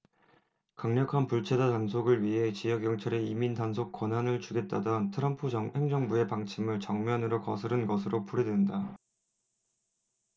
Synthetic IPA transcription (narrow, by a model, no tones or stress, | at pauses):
kaŋɲʌkʰanpuɭt͡ɕʰedatansʰoɡɯɭɥiɦe̞t͡ɕijʌɡjʌŋt͡ɕʰʌɾe̞imindansʰok͈wʌnɦanɯɭt͡ɕuɡe̞t̚t͈adʌntʰɯɾʌmpʰud͡ʑʌhe̞ŋd͡ʑʌŋbue̞paŋt͡ɕʰimɯɭt͡ɕʌŋmjʌnɯɾokʌ̰sʰɯɾɯnɡʌsʰɯɾopʰuɾidwenda